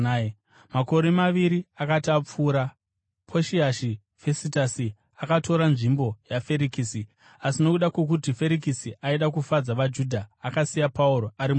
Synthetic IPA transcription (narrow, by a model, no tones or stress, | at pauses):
mako̞ɾe̞maʋiɾiakatap͡fuːɾa | pʰoʃiaʃi | fesitasi | akatʰo̞ɾanʐimbo̞jafe̞ɾikisi | asino̞kuɗakwek̬utife̞ɾik̬isiʔaiɗakufad͡zaʋad͡ʒuːdʱaːkasijapauɾoaɾim